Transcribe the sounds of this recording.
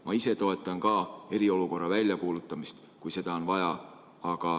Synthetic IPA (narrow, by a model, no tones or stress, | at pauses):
mɑise̞t̪o̞e̞t̪ˑːɑnkɑːe̞ɾio̞luko̞rːɑvælʲjɑkuːlut̪ˑːɑmist̪ | kujse̞d̪̥ɑo̞nvɑjɑ | ɑɡ̥ɑ